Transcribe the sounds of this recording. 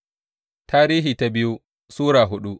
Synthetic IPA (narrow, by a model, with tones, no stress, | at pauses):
tʰaː˦ɾiː˦ɦiː˨ta˦bɪ˦ju˦ | suː˦ɾaː˨ɦʊ˦ɗu˦